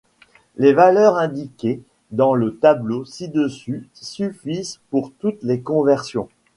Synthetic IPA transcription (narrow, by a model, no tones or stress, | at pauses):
levalœʁɛ̃d̪ikʲe | d̪ɑ̃lət̪ablosid̪əsysyfizpuʁt̪ut̪lekɔ̃vɛʁsjɔ̃